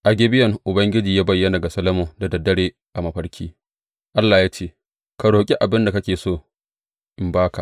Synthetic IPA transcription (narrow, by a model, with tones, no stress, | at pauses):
ʔa˨ɡʲe˦bɪ˦jɐ˨ŋʔʊ˨bɐ˦ŋɡʲɪ˦d͡ʒiː˨jaː˦bɐ˦˨jːɐ˦na˨ɡa˨sɐ˦lɐ˦moː˨da˨dɐ˨dːɐ˦ɽeː˦ | ʔa˨mɐ˨ɸɐ˦ɾkʲʰiː˦ | ʔa˦lːaː˨jaː˦t͡ʃeː˦˨ | ka˨ɽoː˨kʲʼi˦ʔa˨bɪ˦nda˨kɐ˦kʲeː˨soː˦ | ʔɪ˨mbaː˦ka˨